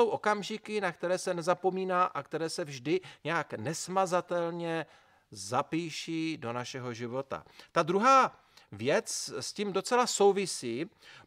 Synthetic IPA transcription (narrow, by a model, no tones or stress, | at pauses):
owʔo̞kamʒɪkɪnakt̪ɛɾɛːsɛnɛzapo̞miːnaːʔakt̪ɛɾɛːsɛvʒdɪɲɛaknɛsmazat̪ɛlɲɛ | zapiːʃido̞naʃɛɦo̞ʒɪvo̞t̪a̰t̪ad̪ɾuɦaː | vjɛt͡ssciːmdo̞t͡sɛlaso̞wvɪsiː